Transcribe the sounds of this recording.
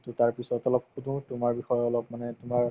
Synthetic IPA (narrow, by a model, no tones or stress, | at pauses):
tutaɹpisɔtɔlɔpxudũtʊmaɹbixɔjɔlɔb̚manɛtʊmaɹ